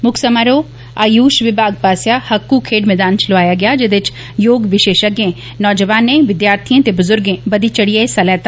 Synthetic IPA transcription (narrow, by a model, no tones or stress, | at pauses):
mʊksəmaɾoː | aːjuːʃʋɪbaːɡ̚paːsjaːhɐkːukʰeːɖmɛːd̪aːnt͡ʃloʋaːjaːɡɪjaːd͡ʒɪd̪ɪt͡ʃ | joːɡʋɪʃeːʃəɡẽː | nɔːd͡ʒəʋaːnẽːʋɪd̪jaːɾt̪ʰiãːt̪eːbʊzʊɾɡẽːbəd̪iːt͡ʃəɽijaesɐlɛːt̪a